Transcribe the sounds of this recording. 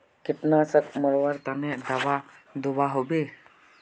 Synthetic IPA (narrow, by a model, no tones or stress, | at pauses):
kiʈnasəkmɔɭʋaɾt̪aned̪aʋad̪ubaɦobe